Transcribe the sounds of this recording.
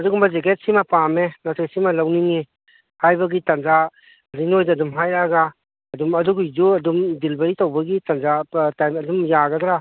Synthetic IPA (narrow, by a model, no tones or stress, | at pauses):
ɐduɡumbɐzeket̚simɐpamenaseketsimɐlawniŋi | hajbɐɡitɐnza | ɐdinojdɐɐdumɦajɾaɡaː | dumɐduɡud͡ʒuɐdumdilbɐɾitowbɐɡitɐnzatajmɐdumjaɡɐdɾa